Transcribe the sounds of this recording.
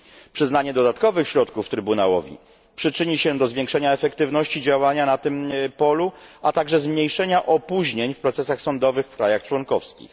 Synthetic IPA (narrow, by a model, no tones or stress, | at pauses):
pʂɘznaɲɛd̪ɔd̪at̪kɔvɘxɕɾɔt̪kuft̪ɾɘbunawɔvʲḭ | pʂɘt͡ʂɘɲiɕɛd̪ɔzvʲjeɛŋkʂɛɲaɛfɛkt̪ɘvnɔɕt͡ɕid͡ʑawaɲanat̪ɘmpɔluat̪aɡʐɛzmɲejʂɛɲaʔɔpuʑɲeɲfpɾɔt̪sɛsaxsɔnd̪ɔvɘxfkɾajaxt͡ʂwɔnkɔfskʲḭx